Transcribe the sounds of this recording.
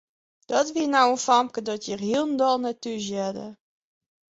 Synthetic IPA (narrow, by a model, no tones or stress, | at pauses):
d̥ɔtʋiənawənfɔmkədɔtjərɦiəlˠn̩dɔlˠnɛtyzjɛdə̰